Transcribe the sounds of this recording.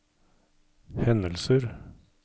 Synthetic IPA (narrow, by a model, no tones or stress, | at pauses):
hɛnəlsəɾ